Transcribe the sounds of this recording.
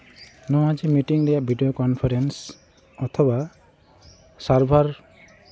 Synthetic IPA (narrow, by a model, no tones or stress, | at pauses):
nɔ̃ad͡ʒimiʈiŋɾejaʔbʱiɖijokɔnpʰaɾens | ɔt̪ʰɔba | saɾbʱaɾ